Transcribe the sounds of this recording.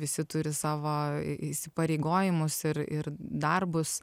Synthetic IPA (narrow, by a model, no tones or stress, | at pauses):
ʋʲɪsʲɪt̪ʊɾʲɪsɑːʋoːiʃʲsʲɪpɐɾʲeɪɡoːjɪmʊsɪɾɪrd̪ɐrbʊs